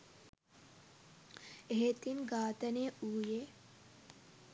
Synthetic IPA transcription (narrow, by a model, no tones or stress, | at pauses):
eɦet̪inɡaːt̪ɐneuːje